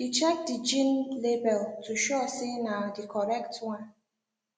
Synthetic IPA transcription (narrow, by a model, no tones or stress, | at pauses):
dit͡ʃɛk̚did͡ʒĩnlebɛltuʃoɛsɪnadikʰɔɾɛktwãn